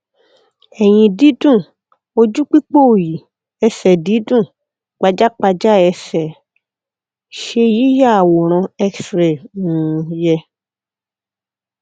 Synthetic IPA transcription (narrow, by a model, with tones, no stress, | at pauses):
ɛ˨j̃ĩ˧di˨˦dũ˦˨ | o˧d͡ʒu˦k͡pi˦k͡po˦˨ji˨ | ɛ˧sɛ˨di˨˦dũ˦˨ | k͡pa˧d͡ʒa˦k͡pa˧d͡ʒa˦ɛ˧sɛ˨ | ʃe˧ji˨˦ja˦a˨wɔ˨ɾ̃ɔ̃˧ɛ˦ksɾɛ˨nũ˨jɛ˧